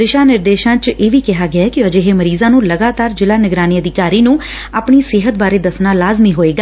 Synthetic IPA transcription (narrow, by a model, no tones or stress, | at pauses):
d̪ɪʃaːnɪɾd̪eːʃãːt͡ʃeːʋiːkɪɦaːɡɪaːkɪəd͡ʒeɦeːməɾiːzãːnũːləɡaːt̪aːɾd͡ʒɪlaːnɪɡɾaːniːəd̪ɪkaːɾiːnũː | aːpɳiːsɪːɦət̪̚baːɾeːd̪əsnaːlaːzmiːɦoːeːɡaː